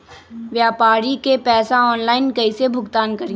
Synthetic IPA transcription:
ʋjaːpaːɾikepɛːsaɔːnlaːɪnkɐisebʱʊɡt̪aːnkɐɾĩ

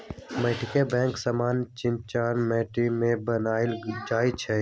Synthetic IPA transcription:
meːʈikebɛ̃ːŋksamaːnt͡ʃɪ̃nt͡ʃaːnmɛːʈimẽbənaːɪld͡ʒaːit͡ʃʰe

